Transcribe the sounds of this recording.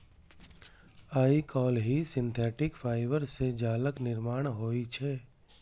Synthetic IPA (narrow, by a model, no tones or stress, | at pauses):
aːikɔːlɦisɪ̃nt̪ʰɛːʈɪkfʰaːɪʋəɾsed͡ʒaːləknɪɾmaːɽ̃ɦoːit͡ʃʰɛː